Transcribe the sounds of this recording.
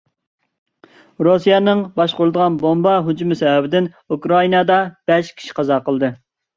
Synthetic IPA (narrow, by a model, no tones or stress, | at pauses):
ɾusijɛnɨŋbɑʃqʊɾlɨd̪əʁɑnbombɑɦud͡ʒimɪsɛɛbɪd̪ɪn | ukɾɑinɑd̪ɑb̥ɛʃkʲʰi̥ʃi̥qʰɑzɑqəlˠd̪ɨ